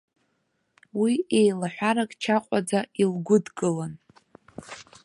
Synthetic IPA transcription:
wiejlaħʷaɾakʼt͡ʃʰaqʷʼad͡zailɡʷʊdɡʼɨlan

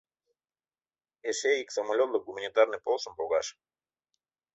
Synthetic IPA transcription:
eʃeiksəmɐlʲot̪lˠəɡumənʲɪt̪arnɨpolˠsəmpoɡaʂ

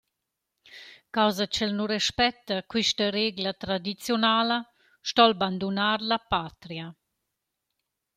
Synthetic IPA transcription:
kawzat͡ʃɛlnuɾɛʃpɛt̪ːakwiʃtaɾeɡlat̪ɾad̪it͡sjonaːlə | ʃtɔlband̪unaɾlapat̪ɾja

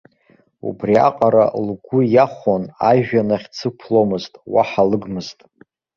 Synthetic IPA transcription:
ṵbria̰qʼaɾa̰lɡʷʊjaχʷonaʒᶣanaχʲt͡sʰɨpʰlomɨztʼwaħalɨɡmɨztʼ

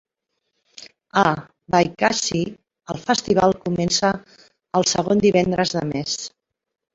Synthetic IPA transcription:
ə | βajkasi | əlˠfəst̪iβ̞alˠkumɛnsəː | lˠsəɣ̞ond̪iβɛnd̪ɾəzðəmes

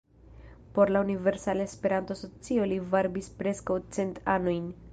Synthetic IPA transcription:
po̞ɾlaunive̞ɾsaleespe̞ɾant̪oaso̞t͡sio̞livaɾbispɾe̞skawt͡se̞ntanojn

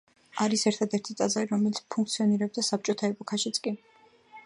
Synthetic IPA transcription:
aɾisɛɾt̪ʰad̪ɛɾt̪ʰit̪ʼazaliɾɔmɛlit̪spʰuŋkʰt̪sʰiɔniɾɛb̚d̪asap̚t͡ʃʼɔt̪ʰaɛpʼɔkʰaʃit̪sʼkʼi

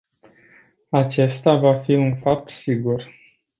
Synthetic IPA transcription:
at͡ʃe̞st̪avafiunfap̚t̪siɡur

